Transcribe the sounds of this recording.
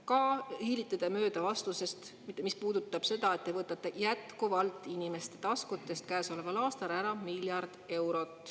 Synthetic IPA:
kɑhiːlit̪ːˑɑd̪̥emø̞ːd̪̥ɑvɑst̪use̞st̪ | mit̪ːemispuːd̪̥ut̪ˑːɑb̥se̞d̪̥ɑe̞t̪ːevɤt̪ːˑɑt̪ːˑe̞jæt̪kuvɑlt̪ːˑinime̞st̪e̞t̪ɑskut̪ːˑe̞st̪kæːso̞le̞vɑlɑːst̪ɑɾæɾɑmilʲjɑrd̪̥e̞wɾo̞t̪ːˑ

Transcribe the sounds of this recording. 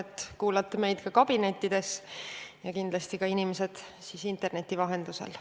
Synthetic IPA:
et̪ːˑkuːlɑt̪ːˑeme̞jd̪̥kɑkɑb̥ine̞t̪ʲˑːid̪̥e̞sjɑkind̪lɑst̪ikɑinimese̞d̪̥siːsint̪e̞rne̞t̪ʲːivɑɦe̞nd̪̥usḛl

